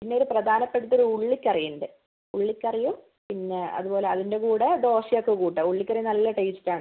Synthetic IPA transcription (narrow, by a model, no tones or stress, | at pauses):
pinːe̞oɾuprɐd̪ʱaːnɐpːe̞ɽut̪ːo̞ɾuuɭːikʲːɐrijunɖɨ | uɭːikʲːɐrijum | pinːe̞ɐ̰ðupo̞ːle̞ɐðinde̞kuːɽed̪o̞ːʂijokːekuːʈːɐuɭːikʲːɐrijɐnɐlːɐʈeistːaːɳɨ